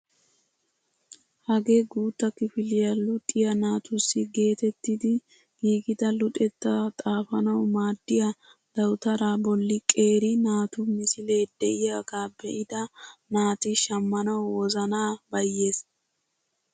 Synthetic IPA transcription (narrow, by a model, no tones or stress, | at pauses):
hɐɡe̞ːɡuːt̪ːɐkɪfɪlɪjɐlʊt̪ʼːɪjɐnaːt̪ʊsːɪɡe̞ːt̪ɛt̪ːɪd̪ɪ | ɡ̥iːɡɪd̪ɐlʊt̪ʼɛt̪ːɐt̪ʼaːfɐnɐwmaːd̪ːɪjɐ | d̪̥ɐwt̪ɐɾabɔlːɪkʼe̞ːɾɪnaːt̪ʊmɪsɪleːd̪ɛʔɪjaːɡaːbɛʔɪd̪ɐnaːt̪ɪʃɐmːɐnɐwwɔzɐnaːbɐjːe̞ːs